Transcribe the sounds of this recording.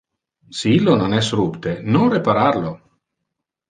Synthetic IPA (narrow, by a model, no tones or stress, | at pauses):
siilːononɛsrupt̪enonrepaɾaɾlo